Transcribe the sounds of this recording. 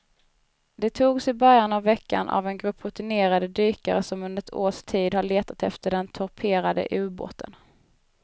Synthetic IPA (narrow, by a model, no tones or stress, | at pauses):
d̪ɛt̪ʰuːɡsɪbœɾjanavːɛkːa̰nʔa̰vɛnɡɾɵpʰɾʊt̪ɪneːɾad̪əd̪yːka̰ɾəsɔmɵnd̪əɾɛt̪ʰoːʂt̪ʰiːd̪haɭeːt̪at̪ɛft̪əɖɛnt̪ʰɔɾpʰeːɾad̪ə̰ʔʉ̟ːbo̰ːt̪ʰən